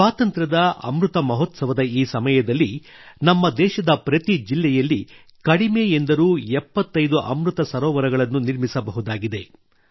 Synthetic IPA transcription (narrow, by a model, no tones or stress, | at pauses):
aːt̪ɐnt̪ɾɐd̪ɐɐ̰mɾut̪ɐmɐɦɔt̪sɐʋɐd̪ɐiːsɐmɐjɐd̪ɐlːinɐmːɐd̪ɛːʃɐd̪ɐpɾɐt̪id͡ʒilːɛjɐlːi | kɐɽimejend̪ɐɾuːɛpːɐt̪ːɐjd̪uʔɐ̰mɾut̪ɐsɐɾɔːʋɐɾɐɡɐɭɐnːuniɾmisɐbɐɦud̪aːɡid̪e̞